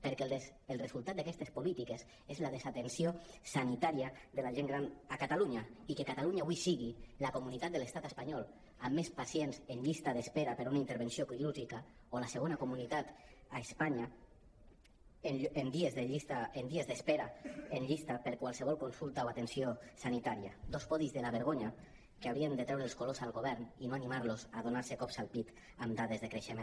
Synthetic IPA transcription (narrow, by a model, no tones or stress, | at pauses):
peɾke | elˠrezulˠt̪at̪d̪akɛst̪espolit̪ikes | ezlað̞ezat̪ensiosanit̪aɾiaðelaʒeŋɡɾanakat̪aluɲaikekat̪aluɲaːβwisiɣilakomunit̪at̪d̪eəlest̪at̪əspaɲɔl | amːespasjenzenʎist̪aðespeɾapəɾunaint̪eɾβ̞ensiokliuʒika | olaseɣ̞onakumunit̪at̪aespaɲa | end̪iezðeʎist̪aend̪iezðespeɾaenʎist̪apeɾkwalˠseβ̞ɔlˠkonsulˠt̪aoat̪ensiosanit̪aɾia̰d̪ospɔðizðelaβeɾɣoɲa | keawɾiend̪ət̪ɾɛwɾelskolosalˠɣoβ̞ɛɾninoanimaɾlozað̞onaɾsekɔpsalˠpit̪ | amd̪aðezðekɾeʃemẽn